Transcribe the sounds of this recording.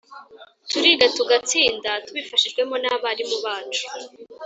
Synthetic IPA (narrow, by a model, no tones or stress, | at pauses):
tuɾiɡatuɡat͡siːndatuβifaʃiʒɡwe̞mo̞naβaɾimuβaːt͡ʃu̥